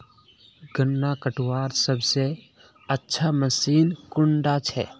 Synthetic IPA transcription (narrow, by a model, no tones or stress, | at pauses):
ɡənːakəʈʰwaːɾsəbse | ətːʃʰaməsiːnkʊɳɖat͡ʃʰɛ̰ː